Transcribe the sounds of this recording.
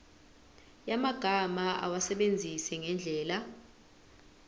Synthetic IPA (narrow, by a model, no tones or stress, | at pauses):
jamaɡ̥ʱamaa̰wasɛɓend͡zʱisɛŋɛnd͡ɮʱɛːla